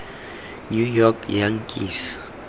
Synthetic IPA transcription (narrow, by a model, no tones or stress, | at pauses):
njujɔkjaŋkʼḭs